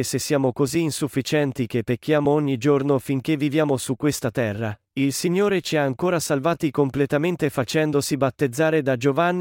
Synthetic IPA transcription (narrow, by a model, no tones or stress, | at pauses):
sesːjaːmokoziːnsufːit͡ʃɛnt̪ik̟epːek̟ːjaːmooɲːid͡ʒornofiŋk̟evːivjaːmosukːwest̪at̪ɛrːa | ilsiɲːoːɾet͡ʃiaːŋkoːɾasalvaːt̪ikomplet̪ament̪efat͡ʃɛnd̪osibat̪ːed̪zːaːɾed̪ad͡ʒovanː